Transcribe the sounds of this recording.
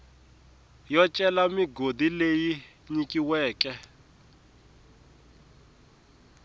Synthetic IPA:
jɔt͡ʃʼɛlamiɡodileji | ɲikʼiwɛːkɛ

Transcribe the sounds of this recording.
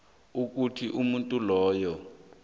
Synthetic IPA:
uk̬ʼutʰiʔumuntʼulɔːjɔ

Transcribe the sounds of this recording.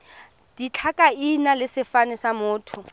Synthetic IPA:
d̥it͡ɬʰakʼainalɪsɪfanɪsamʊːtʰʊ

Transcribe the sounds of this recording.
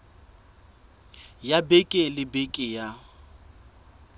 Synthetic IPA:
jabekʼɪlɪbekʼɪja

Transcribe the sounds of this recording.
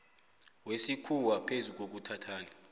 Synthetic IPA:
wesikʰuwapʰezuk̬ok̬utʰatʰaːni

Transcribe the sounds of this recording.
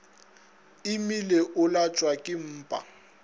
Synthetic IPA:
ɪmileʔʊlat͡ʃʼwakʼɪm̩ːpʼa̰

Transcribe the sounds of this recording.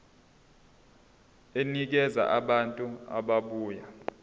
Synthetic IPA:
enik̬ɛza̰ʔaɓantʼua̰ɓaɓuːja

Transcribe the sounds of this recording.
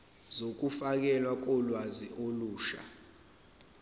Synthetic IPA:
zok̬ufak̬ɛlwak̬ɔlwaziʔoluːʃa̰

